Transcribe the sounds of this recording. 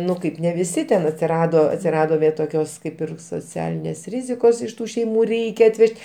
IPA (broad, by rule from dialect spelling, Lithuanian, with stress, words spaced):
ˈnʊ ˈkɐɪp nʲɛ ʋʲɪˈsʲɪ tʲɛn ɐtʲsʲɪˈrɑːdoː ɐtʲsʲɪˈrɑːdoː ʋʲeː toːˈkʲoːs ˈkɐɪp ɪr soːˈt͡sʲæːlʲɪnʲeːs ˈrʲɪzʲɪkoːs ɪʃ ˈtuː ʃʲɛɪˈmuː ˈrʲɛɪkʲɛ ɐtʲˈʋʲɛʃʲtʲ